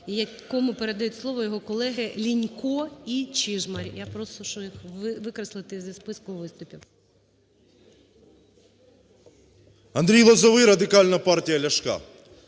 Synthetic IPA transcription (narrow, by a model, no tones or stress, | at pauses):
jɐkɔmʊpeɾed̪ɐjutʲslˠɔʋɔjɔɦɔkɔlˠɛɦɪlʲinʲkɔit͡ʃiʒmɐɾʲjapɾɔst̪ɔʃɔjixʋɪkɾɐslˠɪt̪ɪzʲispɪskʊʋɪst̪ʊpʲiw | ɐnd̪ɾʲijlˠɔzɐʋɪɾɐd̪ɪkɑlʲnɐpɑrtʲijɐlʲɐʃkɑ̰